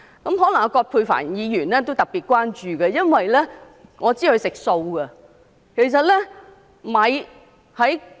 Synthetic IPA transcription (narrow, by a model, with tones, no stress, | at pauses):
kɐ˨˥mɦɔ˨˥lɐ˨˩ŋa˧kɔː˧t̚pʰuː˧jfa̰ː˨˩njiː˨˧jyː˨˩nlɛː˥t̪o˥wt̪ɐ˨k̚piː˨t̚kʷwaː˥nt͡ʃyː˨kɛ˧jɐ˥nwɐ˨jlɛː˥ | ŋɔː˨˧t͡siː˥hɵ˧ɥsɪ˨k̚so˧wɡɐ˧ | kʰe˨˩js̬ɐ˨t̚lɛː˥ | mɐ˨j | hɐ˨˥j